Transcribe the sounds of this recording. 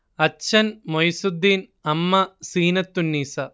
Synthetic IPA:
ɐt͡ɕʰːɐnmojsud̪ːin | ɐmːɐsiːnɐt̪ːunːiːsɐ

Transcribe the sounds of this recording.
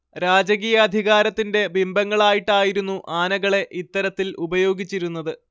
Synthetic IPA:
ɾaːd͡ʑɐɣiːjɐːd̪ʱiɣaːɾɐt̪ːinde̞bimbɐŋːɐɭaːjiʈːaːjiɾunːuʔaːnɐɣɐɭe̞ʔit̪ːɐɾɐt̪ːilubɐjo̞ːɡit͡ɕːiɾunːɐðɨ

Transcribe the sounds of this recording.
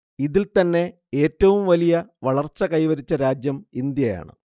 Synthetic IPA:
iðilt̪ɐnːe̞ | e̞ːtːɐʋumʋɐlijɐʋɐɭɐrt͡ɕːɐkɐjʋɐɾit͡ɕːɐɾaːd͡ʑjɐmind̪jɐja̰ːɳɨ̰

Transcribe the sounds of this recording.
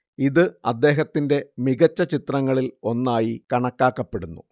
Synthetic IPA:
iðɨɐd̪ːe̞ːɦɐt̪ːinde̞miɣɐt͡ɕːɐt͡ɕit̪rɐŋːɐɭilo̞nːaːjikɐɳɐkːaːkːɐpːe̞ɽunːu

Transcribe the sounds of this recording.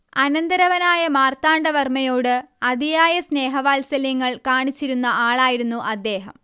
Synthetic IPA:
ɐnɐnd̪ɐɾɐʋɐnaːjɐmaːrt̪aːɳɖɐʋɐrmɐjoːɽɨɐd̪ijaːjɐsne̞ːɦɐʋaːlsɐljɐŋːɐɭkaːɳit͡ɕːiɾunːɐʔaːɭaːjiɾunːuʔɐd̪ːe̞ːɦɐ̰m

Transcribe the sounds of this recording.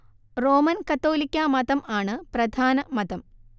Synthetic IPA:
ro̞ːmɐnkɐt̪ːo̞ːlikʲːamɐd̪ɐmaːɳɨprɐd̪ʱaːnɐmɐd̪ɐm

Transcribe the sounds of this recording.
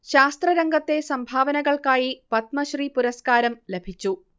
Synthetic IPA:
ɕaːst̪rɐɾɐŋɡɐt̪ːe̞sɐmbʱaːʋɐnɐɣɐɭkaːjipɐt̪̚mɐɕriːpuɾɐskaːɾɐmlebʱit͡ɕːu

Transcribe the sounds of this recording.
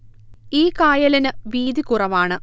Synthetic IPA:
iːkaːjɐlɐnɨʋiːd̪ikurɐʋaːɳɨ

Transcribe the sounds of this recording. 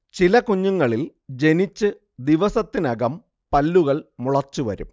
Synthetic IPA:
t͡ɕilɐkuɲːuŋːɐɭil | d͡ʑe̞nit͡ɕːɨ | d̪iʋɐsɐt̪ːinɐɣɐm | pɐlːuɣɐɭmuɭɐt͡ɕːuʋɐ̰ɾṵm

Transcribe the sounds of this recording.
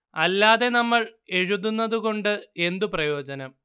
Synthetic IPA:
ɐlːaːðe̞nɐmːɐɭe̞ɻuðunːɐðuɣo̞ɳɖɨe̞nd̪uprɐjo̞ːd͡ʑɐnɐm

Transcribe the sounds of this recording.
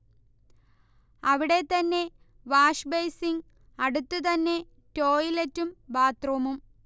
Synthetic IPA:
ɐʋiɽe̞t̪ɐnːe̞ | ʋaːʂbɐjsiŋ | ɐɽut̪ːut̪̬ɐnːe̞ | to̞ːjiletːumbaːt̪rɐʋɐmum

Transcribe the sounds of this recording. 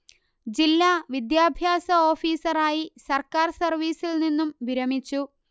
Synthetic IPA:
d͡ʑilːaːʋid̪jaːbʱjaːsɐo̞ːfiːsɐraːjisɐrkaːrsɐrʋiːsilninːumʋiɾɐmit͡ɕːu

